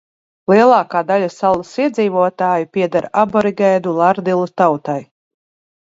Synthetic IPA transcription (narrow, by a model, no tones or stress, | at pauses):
lˠiɛlˠɑːkaːd̪alʲasalˠːasiɛd̪ziːvuɔt̪aːjipʲiɛd̪aɾabɔɾiɡajd̪ulˠaɾd̪ilˠut̪awt̪aj